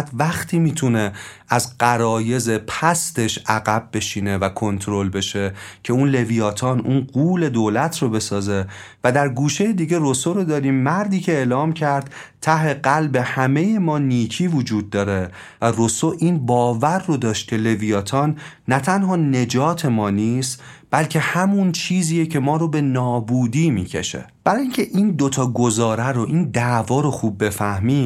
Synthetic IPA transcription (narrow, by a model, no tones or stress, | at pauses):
t̪væxt̪ʰiːmiːt̪ʰune̞ | æzɢæɾɒːje̞ze̞pʰæst̪e̞ʃæɣæb̚ːe̞ʃiːne̞vækʰo̞nt̪ʰɾo̞lbe̞ʃe̞cʰe̞unle̞vijɒːt̪ʰɒːnʔuːnɢuːle̞d̪oːlæt̪ʰɾobe̞sɒːze̞væd̪æɾɡuːʃejed̪iːɟe̞rosoɾod̪ɒːɾiːmːæɾd̪iːcʰe̞eːlɒːmcʰæɾd̪̥̚t̪ʰæhhe̞ɢælbe̞hæme̞je̞mɒːniːcʰiːvod͡ʒuːd̪̚ːɒːɾe̞ | værosoʔiːnbɒːvæɾːod̪ɒːʃt̪̚kcʰe̞le̞vijɒːt̪ʰɒːnː | æt̪ʰænɦɒːne̞d͡ʒɒːt̪ʰe̞mɒːniːst̪b̥ælcʰehæmunt͡ʃʰiːziːjecʰe̞mɒːɾobe̞nɒːbuːd̪iːmḭːcʰe̞̰ʃḛ | b̥æɾɒːjiːŋcʰe̞ʔiːnd̪ot̪ʰɒːɡozɒːɾæɾoʔiːnd̪ævɒːɾoxuːb̚ːe̞fæhmiː